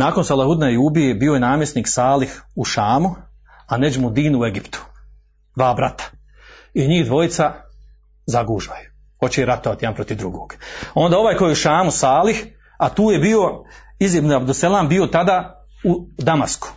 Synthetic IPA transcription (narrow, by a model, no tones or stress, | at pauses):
naːkonsalˠahud̪najuːbijebiːo̞je̞naːmjesniːksaːlihuʃaːmu | aned͡ʒmud̪iːnue̞ɡipt̪u̥ | d̪ʋaːbɾat̪ḁ | iɲiːhd̪ʋo̞jit̪sa | zaɡuːʒʋaju̥ | ho̞t͡ɕejeɾat̪o̞ʋat̪ijd̪anpɾo̞t̪iʋd̪ɾṵɡoːɡ̥o̞nd̪aːo̞ʋaːjko̞jeuʃaːmusaːlix | at̪uːje̞bio̞ | izjebniabd̪uselˠaːmbio̞t̪ad̪aː | ud̪ama̰sku̥